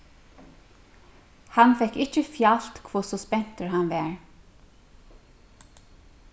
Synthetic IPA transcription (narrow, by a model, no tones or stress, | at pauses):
hɑnfɛkɪc͡çəfjɑlt̪kʰʋʊsɔspɛn̥t̪əɹhɑnʋæːɹ